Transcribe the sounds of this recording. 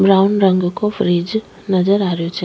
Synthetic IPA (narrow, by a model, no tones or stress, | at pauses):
bɾawunɾəŋɡkofɾid͡ʒ | nəd͡ʒəɾaɾjot͡ʃĩ